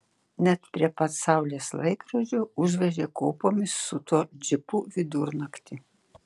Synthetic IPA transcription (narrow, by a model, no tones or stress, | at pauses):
nʲɛt̪pʲɾʲiɛpɐsɑˑʊlʲeːslˠɐɪkɾɐd͡ʒʲoːʊʒʲʋʲɛʒʲeːkoːpoːmʲɪsːʊt̪uːd͡ʒʲɪpuʋʲɪd̪ʊɾnɐkt̪ʲɪ